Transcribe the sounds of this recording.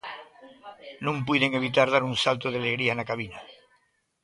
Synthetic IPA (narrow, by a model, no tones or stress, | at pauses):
nũmp̬wiðe̞ŋe̞β̞it̪̬aɾðaɾunsalt̪oð̞ealeɣɾianakaβ̞ina